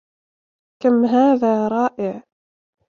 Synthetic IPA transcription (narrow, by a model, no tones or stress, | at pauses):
kamɦaːðaːɾˤɑːʔɪʕ